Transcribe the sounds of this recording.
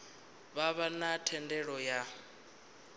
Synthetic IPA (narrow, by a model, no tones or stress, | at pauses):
βaβanatʰɛndɛɺɔja